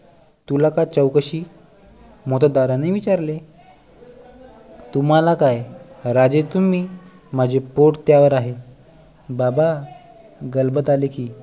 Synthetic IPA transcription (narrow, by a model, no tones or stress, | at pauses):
t̪ulakat͡səwkəɕiː | mot̪əd̪aɾanəjʋit͡ɕaɾle | t̪um̤alakajɾad͡zet̪umiː | m̤ad͡ʑʱepoʈt̪jaʋəɾaɦe | baba | ɡəlbət̪alekiː